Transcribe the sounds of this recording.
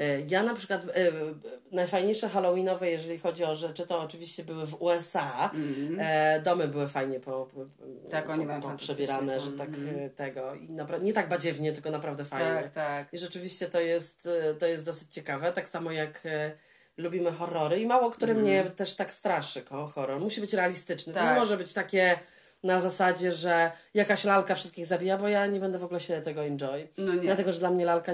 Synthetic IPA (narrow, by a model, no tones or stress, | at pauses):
janapʂɘ̥kwat̪ | najfajɲejʂɛxalɔwʲinɔvɛjɛʐɛlʲixɔd͡ʑiɔʐɛt͡ʂɘt̪ɔːt͡ʂɘvʲiɕt͡ɕɛbɘwɘvuɛsa | d̪ɔmɘbɘwɘfajɲɛpɔ | apɔpʂɛbʲɛɾanɛʐɛt̪akt̪ɛɡɔḭnapɾaɲɛt̪aɡ̚bad͡ʑɛvɲɛt̪ɘlkɔnapɾavd̪ɛfajɲɲɛt̪akiʐɛt͡ʂɘvʲiɕt͡ɕɛt̪ɔjɛst̪t̪ːɔjɛst̪d̪ɔsɘt͡ɕt͡ɕɛkavɛt̪aksamɔjak | lubʲimɘxɔrːɔɾɘimawɔkt̪uɾɛmɲɛt̪ɛʂt̪akst̪ɾaʂɘkɔxɔɾːɔɾmuɕibɘt͡ɕɾɛalʲist̪ɘt͡ʂnɛt̪ɔɲɛmɔʐɛbɘt͡ɕt̪akʲɛ | nazasad͡ʑɛʐɛjakaɕlalkafʂɘst̪kʲiɣzabʲijabɔjaɲɛbɛnd̪ɛvɔɡulɛɕɛt̪ɛɡɔind͡ʐɔjdlat̪ɛɡɔʐɛd̪lamɲɛlalka